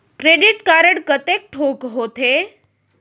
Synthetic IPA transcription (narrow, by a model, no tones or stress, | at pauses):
kɾeɖiʈkaɾəɽkət̪ek̚ʈʰoːkɦoːt̪e